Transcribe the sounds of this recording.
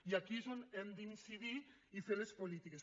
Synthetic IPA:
iakisonend̪insiði | ifelespolit̪ikes

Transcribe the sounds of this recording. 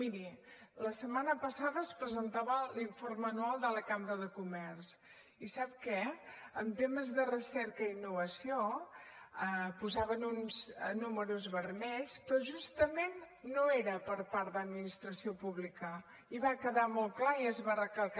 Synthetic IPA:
miɾi | ləsəmanəpəsaðəːspɾəzənt̪aβəliɱfoɾməːnualˠd̪ələkambɾəðəkumɛrs | isap̚kɛəmt̪eməzðərəsɛɾkəinːuβəsio | əpuzaβənunznuməɾuzβərmɛʎspɾɔʒust̪əmenː | oeɾəpəɾpaɾt̪d̪əd̪minist̪ɾəsiopuβlikə | iβakəðamolˠklaiəzβarəkəlˠ

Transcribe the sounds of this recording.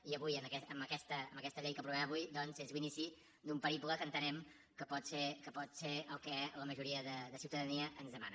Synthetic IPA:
iəβujəməkɛəmbəkɛst̪əːmbəkɛst̪əʎejkəpɾuβɛməβujd̪ɔnzezlinisi | d̪umpəɾipuləkənt̪ənɛm | kəpɔt̪seɾkəpɔt̪seɾəlˠkɛləməʒuɾiəðəðəsiwt̪əðəniəʔənzðəma̰nə

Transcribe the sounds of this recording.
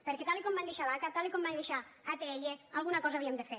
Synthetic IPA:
peɾkɛt̪alikɔmband̪eʃalakat̪alikɔmband̪eʃaat̪ɛʎealˠɣunakɔzaβiemd̪efe

